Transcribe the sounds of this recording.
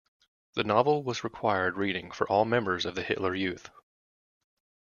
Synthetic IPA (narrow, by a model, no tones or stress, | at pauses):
ðɨnɑvl̩ˠwʌzɹɨkʰw̥aɪə˞d̚ɹiɾɪ̃ŋfə˞ʔɔlˠmɛ̃mbə˞zʌvðɨhɪ̰ʔˡlə˞jʉθ